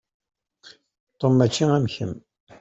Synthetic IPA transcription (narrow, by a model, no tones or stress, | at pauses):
t̪ˤːomːæt͡ʃːiŋæmçə̰m